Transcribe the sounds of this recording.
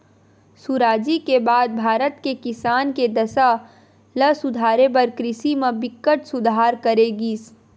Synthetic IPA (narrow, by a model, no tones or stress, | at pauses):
suɾaːd͡ʒikebaːd̪̚bʱaːɾət̪kekɪsaːnked̪əsa | ləsʊd̪ʱaːɾepəɾkɾɪsimẽbɪkːəʈsʊd̪ʱaːɾkəɾeɡiːs